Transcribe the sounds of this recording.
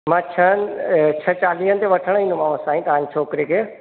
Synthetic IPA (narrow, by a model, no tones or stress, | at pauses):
mãːt͡ɕʰənt͡ɕʰɐt͡ɕaːliːɦənɪt̪eʋɐʈʰəɽ̃ĩːnd̪umãːʋõsãːĩt̪ɐɦãɲt͡ʃʰoːkɪɾekʰeː